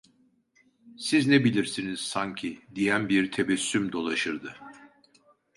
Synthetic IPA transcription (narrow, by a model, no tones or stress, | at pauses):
siznebilʲiɾsiniz̥saɲcʰid̪ijænbiɾt̪ʰebɛsːymd̪o̞lˠaʃɯɾd̪ɯ